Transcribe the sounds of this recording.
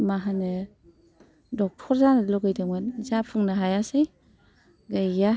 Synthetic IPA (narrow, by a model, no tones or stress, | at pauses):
maɦanɯ | dɔk̚tʰɔɾzanɯlɔwɡajdaŋmɯnzapʰuŋnɯɦajasɯj | ɡajɡa